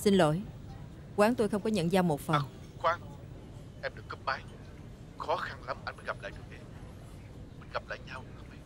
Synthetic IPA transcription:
si˧nlo̰˧˨j | kwaː˨˦ŋt̪o˧jxə˧wŋ͡mkɔ˨˦ɲə̰˧˨nzaː˧wmo˨˩t̚fə˨˩ŋ | kwaː˨˦ŋ | ʔɛ˧mɗɨ˨˩əkːə˦˥p̚maː˧j | xɔ˨˦xa˧nla˨˦mʔa˧jnmə˨˦ɣa˨˩p̚la̰ː˧˨jɗɨ˨˩k̚ɗe˨˩ | mï˨˩nɣa˨˩p̚la̰ː˧˨jɲa˧w

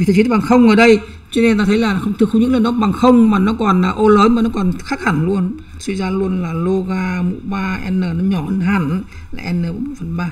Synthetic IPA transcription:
i˨˩ɨ˨˩˨ɓxə˧wŋ͡mʔəː˧˩ɗə˧j | t͡ɕɔ˧ne˧n˧˨˩t̪aː˧t̪ʰjlaː˨˩˨xə˧wŋ͡mt̪ʰɨ˨˧˨xɲɨ̰˧˥ŋlə˨˩nɗɔ˨˦ɓa˨˩ŋxə˧wŋ͡mmaː˨˩nɔ˨˦kɔ˨˩nəː˨˩ʔo˧ləː˨˦nmaː˨˩nɔ˨˦kɔ˨˩nxaː˦˥k̚ha˧˩ŋlu˧ən | swi˧zaː˧lu˧ənlaː˨˩lo˧ɣaː˧mṵ˧˥ɓaː˧ʔɛ̰˧nːəː˨˩nɔ˨˦ɲɔ˧˩ʔə˧nɦaː˧˩n˧˦ | laː˨ʔɛ˧nːəː˨˩o̰˨˧˦mo˨˩fə˨˩nɓaː˧˩

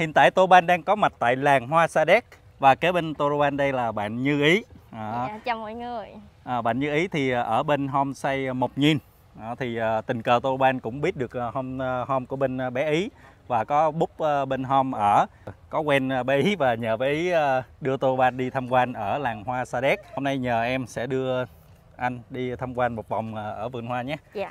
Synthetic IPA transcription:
hḭ˧˨ənt̪a̰ː˧˨jt̪o˧ɓaː˧nɗaː˧ŋkɔ˨˦ma˨˩t̚t̪a̰ː˧˨jlaː˨˩ŋhwaː˧saː˧ɗɛ˦˥k̚ | vaː˨˩ke˨˦ɓe˧nt̪o˧ɾo˧ɓaː˧nɗə˧jlaː˨˩ɓa̰ː˧˨nɲɨ˧ʔi˨˦ʔəː˧˨˩mɔ̰˧˥˦jŋɨ˨˩əjʔəː˨˩ɓa̰ː˧˨nɲɨ˧ʔi˨˦t̪ʰi˨˩˨ʔəː˧˩ɓe˧nɦɔ˧msa˧jmo˨˩k͡p̚ɲi˨˩n | ʔt̪ʰi˨˩ʔəː˨˩t̪ï˨˩ŋkəː˨˩t̪o˧ɾo˧ɓaː˧nkʊ̰˧˥ŋ͡mɓi˦˥ət̚ɗɨ˨˩ək̚ho˧m˧hɔ˧mku˧˩əɓe˧n˧ɓɛ˨˦ʔi˨˦ | vaː˨˩kɔ˨˦ɓʊ˦˥k͡p̚ʔəː˧ɓe˧nɦɔ˧mʔəː˧˩kɔ˨˦kwɛ˧n˧ɓɛ˨˦ʔi˨˦vaː˨˩ɲəː˨˩ɓɛ˨˦ʔiː˨˦˧ɗɨ˧ət̪o˧ɓaː˧nɗi˧t̪ʰa˧mkwa˧nʔəː˧˩laː˨˩ŋhwaː˧saː˧ɗɛ˦˥k̚ho˧mna˧jɲəː˨˩ʔɛ˧msɛ̰˧˥ɗɨ˧ə | ʔa˧jŋ̟ɗi˧t̪ʰa˧mkwaː˧nmo˨˩t̚va˨˩wŋ͡mʔəː˨˩ʔəː˧˩vɨ̰˧˩ənhwaː˧ɲaː˨˦˧

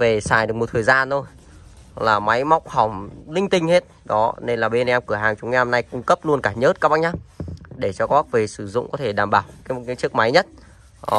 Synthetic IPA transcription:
ve˨˩saː˨˧˩jɗɨ˨˩ək̚m˨˩t̪ʰːjzaː˧no˧j | laː˨˩ma˨˦jma˦˥wk͡p̚ha˧˩wŋ͡mlï˧ŋ̟t̪ï˧ŋ̟he˦˥t̚ɗɔ˨˦ne˧nlaː˨˩ɓe˧nʔɛ˧mkɨ˧˩əɦaː˨˩ŋt͡ɕʊ˨˦ŋ͡mŋa˧ɔ˧na˧jkʊ˧ŋ͡mkə˦˥p̚lu˧ənkaː˧˩ɲəː˦˥t̚kaː˦˥kɓa˧˥ɲaː˦˥ɗe˧˩t͡ɕɔ˧kɔ˦˥t̚ve˨˩sɨ˧˩zʊ̰˧˨ŋ͡mkɔ˨˦t̪ʰe˧˩ɗaː˨˩mɓaː˨˩wkːkaː˨˦jt͡ɕɨ˦˥ək̚ma˨˦jɲə˦˥t̚ː

